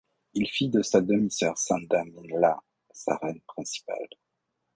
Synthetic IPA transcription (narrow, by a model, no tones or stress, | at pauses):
ilfid̪əsad̪əmisɛʁsɛ̃d̪aminla | sa̰ʁɛnpχɛ̃si̥pa̰l